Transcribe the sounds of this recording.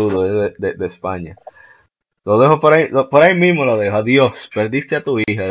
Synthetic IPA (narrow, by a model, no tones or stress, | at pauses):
uðoeðed̪ed̪espaɲa | loðeɦopoɾailopoɾaimĩsmoloðehoaðjo̞spe̞ɾd̪ist̪eat̪uiha